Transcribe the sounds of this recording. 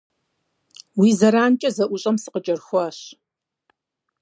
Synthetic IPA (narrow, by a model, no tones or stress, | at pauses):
wiːzɐɾaːnt͡ʃʼɐzɐʔʷʊɕʼɐmsɨ̥qət͡ʃʼɐrxʷɐɕ